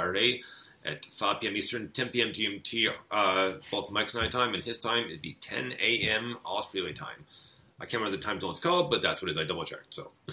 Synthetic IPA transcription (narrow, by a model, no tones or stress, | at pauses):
æɾəɾeɪ | ʔɨ̰tfapʰiɛ̃mistə˞ntʰɛ̃mpiɛ̃mtʰiɛ̃mtʰiʌb̥olˠθmaɪksnãɪtʰãɪ̃mɨ̃nɪz̥tʰãɪ̃mɨtbitʰɛ̰̃neɪʔɛ̃mɑstɹ̥ilˠiɪtʰã̰ɪ̃m | ʔaɪkʰæ̃nw̃nðɨtʰãɪ̃mzõʊ̃nskʰʌbʌt̪̚ðætswʌɾɨzaɪdʌbl̩ˠt͡ʃʰɛ̰k̚tsoʊ